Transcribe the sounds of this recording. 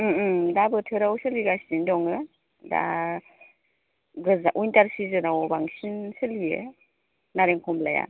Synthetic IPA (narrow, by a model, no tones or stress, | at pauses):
dabɯtʰɯɾawsəliɡasindɔŋɯ | da̰ | ɡɯzaʔujntaɾsizɯnawbaŋsinsɯlijɯ̰ | naɾeŋkʰɔmlaja̰